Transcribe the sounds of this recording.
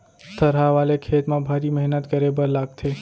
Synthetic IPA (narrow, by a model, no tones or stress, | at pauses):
t̪ʰəɾɦaʋalekʰet̪mãbʱaɾiməɦnət̪ɡəɾebəɾlaɡ̚t̪ʰe